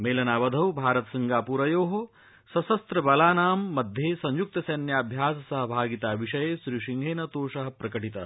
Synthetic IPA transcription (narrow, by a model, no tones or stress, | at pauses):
meːlɐnaːʋɐd̪ʱɐwbʱaːɾɐt̪ɐsɐŋɡaːpuːɾɐjoːɦo | sɐsɐst̪ɾɐbɐlaːnaːmːɐd̪ʱjeːsɐ̃ɲjuk̚t̪ɐsɐnjaːbʱjaːsɐsɐɦɐbʱaːɡit̪aːʋiʂɐjeːʃɾiːʃiŋɡʱeːnɐt̪oːʃɐɦɐpɾɐkɐʈit̪ɐ